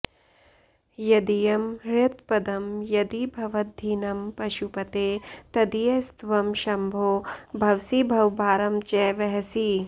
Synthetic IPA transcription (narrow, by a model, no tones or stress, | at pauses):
jɐd̪ijɐmɾɪt̪pɐd̪ɐmjɐd̪ibʱɐʋɐd̪ʱːiːnɐmpɐʃupɐt̪eːt̪ɐd̪ijɐst̪ʋɐmʃɐmbʱoːbʱɐwsibʱɐwbaːɾɐmt͡ʃɛːʋɐɦɐsi